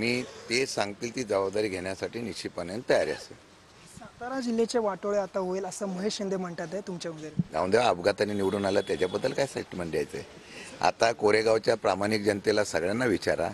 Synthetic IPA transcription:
miːt̪esãŋɡt̪ilt̪iːd͡zəʋabd̪aɾiːɡʱeɳjasaʈiːniɕipənjent̪əjaɾiə̰sḛ | sat̪aɾad͡ʑil̤ːet͡ɕeʋaʈoɭeat̪aɦoeləsəːməɦeɕind̪ʱem̤əɳʈ̪at̪aet̪umt͡ɕeuɡ̪eɾɡã̰wnd̪eʋaəbɡat̪aniniʋɽuːnaljat̪jad͡ʑjabəd̪ːəlkajsa̰iʈim̤əɳd̪ajt͡səj | a̰t̪akoɾeɡawt͡ɕjapɾamanikd͡ʑənt̪elasəɡɭjanːaʋit͡ɕaɾa̰

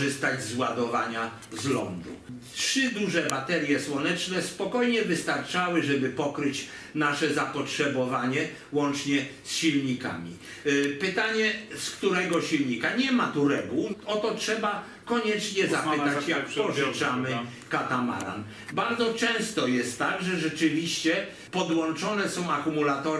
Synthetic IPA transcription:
ɘst̪ad͡ʑzwad̪ɔvaɲa | zlɔ̰nd̪ṵtʂɘd̪uʐɛbat̪ɛɾʲjɛswɔnɛt͡ʂnɛspɔkɔjɲɛvɘst̪aɾt͡ʂawɘʐɛbɘpɔkɾɘt͡ɕ | naʂɛzapɔtʂɛbɔvaɲɛ | wɔnt͡ʂɲɛsɕilɲika̰mʲḭ | pɘt̪aɲɛskt̪uɾɛɡɔɕilɲikaɲɛmat̪uɾɛɡuwɔt̪ɔtʂɛba | kɔɲɛt͡ʂɲɛzapɪt̪at͡ɕjakpɔʐɪt͡ʂamɘ | kat̪ama̰ɾa̰n | baɾd̪zɔt͡ʂɛ̃w̃st̪ɔjɛst̪ːaɡʐɛʐɛt͡ʂɘvʲiɕt͡ɕɛ | pɔd̪wɔnt͡ʂɔnɛsɔ̃w̃akumulat̪ɔ

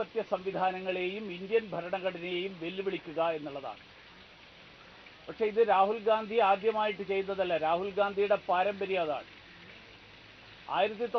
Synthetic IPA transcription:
ɐt̪jɐsɐmʋid̪ʱaːnɐŋːɐɭe̞ːjumind̪jɐnbʱɐɾɐɳɐɣɐɽɐne̞jumʋe̞luʋiɭikʲːuɣɐe̞nːuɭːɐða̰ːɳɨ | pɐkʂe̞iðɨɾaːɦulɡaːnd̪ʱiaːd̪jɐmaːjiʈːɨt͡ɕe̞jːunːɐðɐlːɐɾaːhulɡaːnd̪ʱijuɽe̞paːɾɐmbɐɾijaːða̰ːɳɨ | a̰ːjiɾɐt̪̬ːit̪o

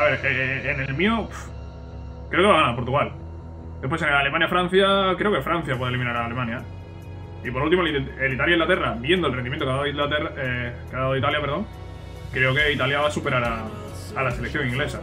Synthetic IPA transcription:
aβe̞ɾeenelmĩof | kɾe̞okeβaɣanapo̞ɾt̪uɣal | d̪epwesenale̞mãnjafɾãn̟θjakɾe̞oke̞fɾan̟θjap̬welimĩnaɾaːlemãnja | ipoɾult̪imoielit̪aljajiŋlat̪e̞raβje̞nd̪olrendimjẽt̪okaðaðit̪eekeaðaðit̪aljapeɾðo̞ŋ | kɾe̞oke̞it̪aljaβasupe̞ɾaɾaː | laselekθjo̞ŋĩŋɡlesa

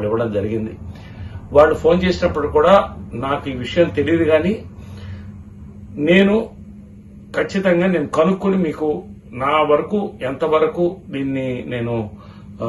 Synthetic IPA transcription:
ɽiʋːɐɽɐmd͡ʒɐɾiɡind̪i | ʋaːɭːupʰo̞ːnt͡ʃeːsinɐpːɐʈukuːɽaːnaːkuiːʋiʂɐjɐmt̪e̞lid̪iɡaːniː | ne̞ːnu | kʰɐt͡ʃːit̪ɐŋɡaːne̞ːnukɐnukːunimiːku | naːʋɐɾɐkuːent̪ɐʋɐɾɐkuːd̪iːnːine̞ːnu

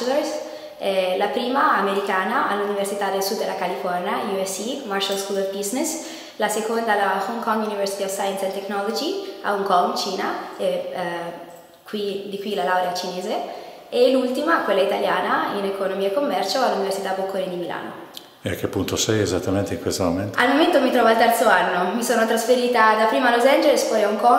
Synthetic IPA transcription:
leɾs | ɛlapɾiːmaameɾikaːnaʔalːuniversit̪ad̪elsud̪ːelakalifɔrnjajuɛsːimarʃalskulrbiznes | lasekond̪alahɔŋkɔŋjunivɛrsit̪iɔfsajɛnsɛ̃nt̪eknɔlod͡ʒia̰uŋkɔŋt͡ʃiːnaɛ | kwid̪ikwilalawɾeat͡ʃineːze | elːult̪imakwelːait̪aljaːnainekonomiaekːomːɛrt͡ʃoalːuniversit̪abokʰːoɾind̪imilʔa̰ːno | eakːepːunt̪osɛjezat̪ːament̪eiŋkwest̪omoment̪almoment̪omit̪ɾɔːvoalt̪ɛrt̪soanːomisoːnot̪ɾasfeɾiːt̪ad̪apːɾiːmalozɛnd͡ʒelespɔjauŋkɔ

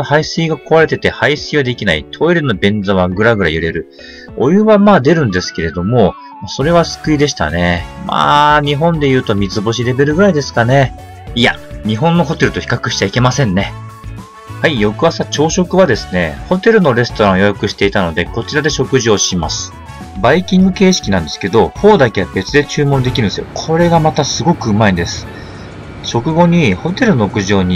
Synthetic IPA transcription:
haisiːɡako̞βaɾe̞t̪e̞t̪e̞haisiːad̪e̞kʲinaḭt̪ʰo̞iɾɯno̞bẽ̞nd͡zaβaɡɯ̟ɾaɡɯ̟ɾajɯ̟ɾe̞ɾɯ̟ | o̞jɯ̟βamaːd̪e̞ɾɯ̟̃nd̪e̞sɨ̥ke̞ɾe̞d̪o̞mo̞ | maso̞ɾe̞β̞asɨ̥kɯ̟id̪e̞ɕ̬i̥t̪a̰ne̞ma̰ːɲ̟iɦõ̞nd̪e̞jɯ̟ːt̪o̞mʲit͡sɨbo̞ɕ̬iɾe̞be̞ɾɯ̟ɡɯ̟ɾaid̪e̞sɨ̥kane̞ | ia̰ɲ̟iɦõ̞nːo̞ɦo̞t̪e̞ɾɯ̟t̪oçi̥kakɯ̟ɕi̥t͡ɕaike̞masẽ̞nːe̞ | haijo̞kɯ̟βasat͡ɕo̞ːɕokɯ̟βad̪e̞sɨ̥ne̞̰ho̞t̪e̞ɾɯ̟no̞ɾe̞sɨ̥t̪o̞ɾãojojakɯ̟ɕi̥t̪e̞it̪ano̞d̪e̞ko̞t͡ɕiɾad̪e̞ɕo̞kɯ̟ʑio̞ɕimasɨ̥ | baikʲĩŋɡɯ̟ke̞ːɕi̥kʲinãnd̪e̞sɨ̥ke̞d̪o̞ɸo̞ːd̪ake̞abe̞t͡sɨd̪e̞t͡ɕɨːmõ̞nd̪e̞kʲiɾɯ̟nesɨjo̰kʰo̞ɾe̞ɡamat̪asɨɡo̞kɯ̟ɯmaĩnd̪e̞sɨ̥ | ɕo̞kɯ̟ɡo̞ɲ̟iho̞t̪e̞ɾɯ̟no̞kɯ̟ʑo̞ːɲ̟i

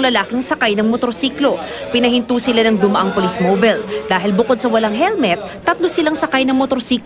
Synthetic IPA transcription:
lɐlaːkɪŋsɐkajnɐŋmot̪oɾsiːklo̞ | pɪnɐhɪnt̪uːsɪlanɐŋd̪ʊmɐʔaŋpolismobɛld̪aːɦɪlbʊko̞d̪sɐwɐlaŋɦɛlmɛt̪̚ːɐt̪losɪlaŋsɐkajnɐŋmot̪oɾsiːk

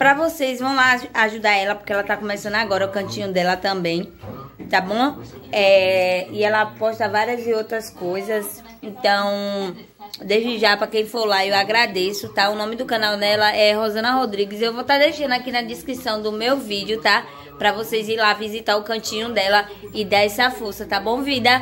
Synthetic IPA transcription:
pɾɐvosejzvɐ̃w̃laaʒud̪aɾɛlɐpo̥ɾkeɛlɐt̪akõmɛsɐ̃nd̪ʊaɡɔɾɐukɐ̃t͡ʃĩɲʊ̃d̪ɛlɐt̪ɐ̃mbẽj̃t̪abõɛɪɛlɐapɔʃt̪ɐvaɾiɐzɪowt̪ɾɐskojzɐs | ẽt̪ɐ̃w̃ | d̪eʒd͡ʒɪʒapɾɐkẽj̃foɾlaewaɡɾad̪esʊt̪aʊnõmɪd̪ʊkɐ̃nawnɛɛlɐʔɛɦozɐ̃nɐɦod̪ɾiɡɪzewvot̪ad̪ejʃɐ̃nd̪ʊakinɐd̪iskɾisɐ̃w̃d̪ʊmewvid͡ʒiʊt̪a | pɾɐvoseziɾlavizit̪aɾʊkɐ̃t͡ʃĩɲʊ̃d̪ɛlɐɪd̪aɛsɐfosɐt̪abõvĩd̪ɐ

